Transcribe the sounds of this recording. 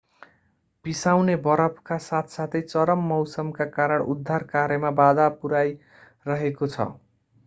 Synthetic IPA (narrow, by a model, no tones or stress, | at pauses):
b̥isawnebʌɾʌpʰkasat̪ʰsat̪ʰʌjt͡sʌɾʌmːʌwsʌmkakaɾʌɳud̪ʱːarkaɾjʌmabad̪apuɾaj | rʌɦekot͡sʰʌ̰